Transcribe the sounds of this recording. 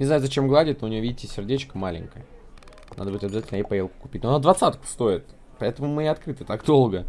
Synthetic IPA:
nʲɪznajʊzɐt͡ɕe̞mɡlˠadʲɪt̪noʊnʲɪjoidʲɪtʲɪsʲɪrdʲet͡ɕkəmalʲɪ̰ŋʲkəjə | na̰d̪əbɨɪtʲɐbʲɪzatʲɪlʲnəjejpɐjelˠkʊ̥kʊ̥pʲit̚ʲnonad̪vɐt̪sat̪kʊ̥st̪o̞ɪt̪ | pɐɛt̪əmʊmɨɐt̪kɾɨt̪ɨt̪akd̪o̞lˠɡə

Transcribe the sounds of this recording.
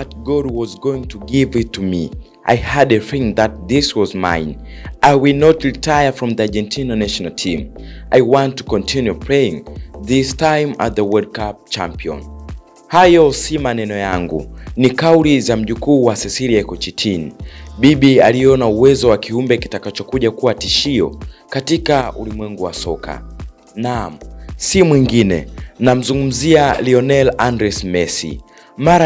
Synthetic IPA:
at̚ɡɔd̚wɔzɡoĩŋtʰuɡivitʰːumi | ʔa̰jhadɛθĩŋðat̚ðiswɔzmã̰ɪn | ʔajwilnɔtɹitʰajəfɹɔ̃mðiad͡ʒɛ̃ntʰinanaʃɔnaltʰĩm | ʔajwãntːu̥kɔ̃ntʰinjupʰɹejĩŋðistãjma̰t̚ðəwɛd̚kap̚t͡ʃãmpiɔ̰̃n | hajɔsimanɛnɔjaŋɡṵnikaulizam̩ʄukuːwasɛsiliakɔt͡ʃitʰinɓiɓialiɔnauwɛzɔwakiumbɛkitakat͡ʃɔkuʄakuwatiʃiɔ̰katikaṵlimwɛŋɡuwasɔka̰ | namsimwiŋɡinɛ̰nam̩zuŋɡum̩zialiɔnɛlandɾɛsmɛsḭ | maɾa

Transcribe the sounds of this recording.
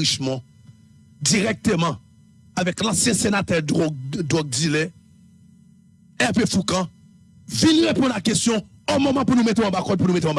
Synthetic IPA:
iʃmɔ̃ | d̪iʁɛk̚t̪əmã | avɛklɑ̃sjɛ̃senat̪ɛʁd̪d̪ɔɡ̚d̪ile | ɛʁpefukã | vĩnʁepɔ̃d̪lakɛst̪jɔ̃ | omɔmãpunũmet̪ẽãbakɔd̪̚punũmet̪̬ẽɔ̃b

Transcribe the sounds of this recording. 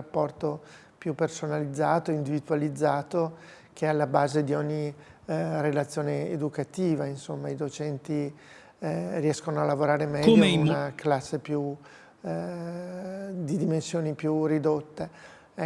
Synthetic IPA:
apːɔrt̪o | pjupːersonalid̪zːaːt̪oind̪ivid̪ualid̪zːaːt̪o | k̟ʰealːabaːzed̪iɔɲːi | relat̪sːjoːneed̪ukat̪iːvainsomːaid̪ot͡ʃɛnt̪i | riɛskonoalːavoɾaːɾemɛʎːoiunaklasːepju | d̪id̪imensjoːnipjurid̪ot̪ːe

